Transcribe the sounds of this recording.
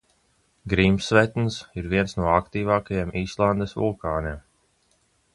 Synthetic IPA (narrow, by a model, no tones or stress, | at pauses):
ɡɾiːmsvɛt̪nsiɾviɛnsnuɔakt̪iːvaːkajemiːslˠand̪esvṵlˠkaːnem